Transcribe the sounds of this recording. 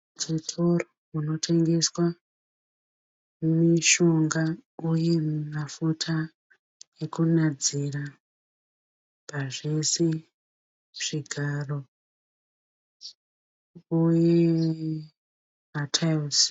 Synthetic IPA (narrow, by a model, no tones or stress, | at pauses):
t͡ʃitʰoro | uno̞tʰe̞ŋɡe̞swa | miʃo̞ŋɡauje̞mafutʰa | ekunad͡zira | paʐe̞se | ʐ̥iɡʱaro̞ | uje | matʰaus